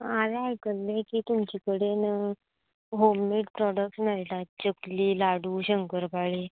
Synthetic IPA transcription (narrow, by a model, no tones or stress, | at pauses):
aʋeajkəlːekiːt̪umt͡ɕikəɽen | ɦomːeʈ̚pɾɔɽək̚snajt̪at̪̚t͡ɕəkliːlaɽuːɕəŋkəɾpaɭe